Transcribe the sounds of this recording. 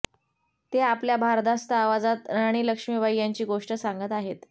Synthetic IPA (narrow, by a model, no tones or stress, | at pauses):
t̪eapljabʱaɾd̪ast̪əaʋad͡zat̪ɾaɽ̃iːləkʂmiːʋajːaɲt͡ɕiːɡoʂʈəsaŋɡət̪aɦet̪